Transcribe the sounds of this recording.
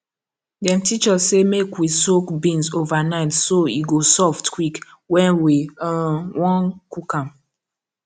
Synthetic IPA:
dɛ̃mtit͡ʃɔssemekwisokbĩnsovanaɪtsoiɡosɔftkwik | wɛ̃nwi | wɔ̃nkukãm

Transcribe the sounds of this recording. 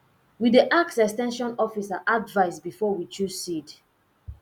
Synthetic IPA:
widiʔaksɛkstɛ̃nʃɔ̃nɔfisaʔadvaɪsbifɔwit͡ʃuzsid

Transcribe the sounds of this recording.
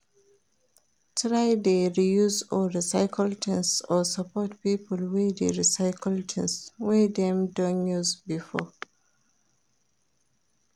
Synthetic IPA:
tʰɹajdeɹijuzɔɹisaɪkʰəltʰɛ̃nsɔsapɔtpipɔlwideɹisaɪkʰəltʰɛ̃nswɛdɛ̃mdɔ̃njuzbifɔ

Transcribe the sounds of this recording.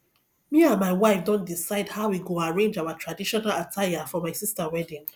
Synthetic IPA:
miãnmaɪwaɪfdõntdisaɪdhaʊwiɡoaɹẽnd͡ʒawatʰɹadiʃɔnalatʰajafɔmaɪsistawɛdĩŋ

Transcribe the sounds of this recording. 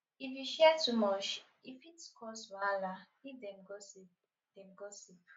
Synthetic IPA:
ifiʃɛtumɔt͡ʃ | ifitkɔswala | idɛmɡosi | d̥ɛ̃nɡosip

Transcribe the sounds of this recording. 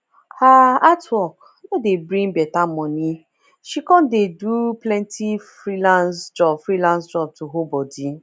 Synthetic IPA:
haatwɔk | nɔdebɾĩŋbɛtamɔ̃ni | ʃikɔ̃ndeduplɛ̃ntʰifɾilãnsd͡ʒɔbfɾilãnsd͡ʒɔb̚tuɦobɔdi

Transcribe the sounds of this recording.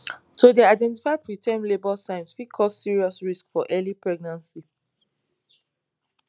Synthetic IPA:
tʰodeaɪdɛ̃ntifaɪpɹitʰɛ̃mlebɔlsãɪ̃nsfikʰɔssiɹiɔsɹiskfɔʔɛlipɹɛɡ̚nãnsi

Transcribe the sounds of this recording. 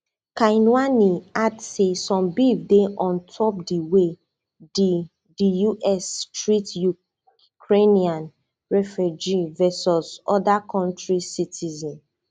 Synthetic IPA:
kajnwaniadsesɔ̃mbivdeʔɔ̃ntʰɔp̚diwe | di | dijuʔɛstɹitju | kʰɹeniãn | ɹɛfud͡ʒivɛsɔsɔdakʰɔ̃ntɹisitʰizɔ̃n

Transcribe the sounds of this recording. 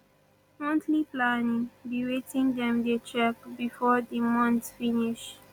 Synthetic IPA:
mɔ̃ntliplanĩŋbiwetĩndɛ̃mdet͡ʃɹɛkbifɔdimɔ̃ntfiniʃ

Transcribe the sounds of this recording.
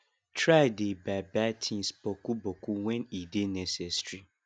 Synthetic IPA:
tʰɹaɪdebabatʰĩnspokubokuwɛ̃nidenɛ̃sɛstʰɹi

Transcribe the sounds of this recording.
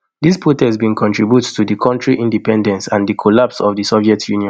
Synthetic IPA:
dispʰotɛzbĩnkʰɔ̃ntɹibjuttudikʰɔ̃ntɹiʔĩndipɛ̃ndɛ̃nsãndikʰolapsɔvdisɔviɛtʰjuniɔ̃

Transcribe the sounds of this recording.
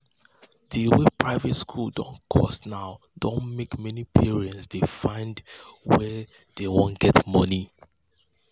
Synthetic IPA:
diwepʰɹaɪvɛtskʰuldɔ̰̃nkʰɔ̰stnaʊ | dõnmekmɛnipʰiɹiɛ̃ntsdefãɪ̃ndwɛ | d̥ewõnɡ̥ɛtmʌni

